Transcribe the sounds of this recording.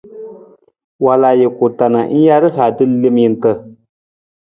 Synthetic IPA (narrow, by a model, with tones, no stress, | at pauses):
wa˨laː˨jɪ˨kʊ˨ta˨na˨˦n̩˦ja˦ɾɨ˦ɬa˨dɨ˦le˦m˦ji˦n˦tə˦